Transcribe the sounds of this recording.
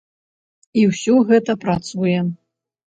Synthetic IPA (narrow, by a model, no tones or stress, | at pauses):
iwsʲɔɣɛt̪ɐpɾat̪sujɛ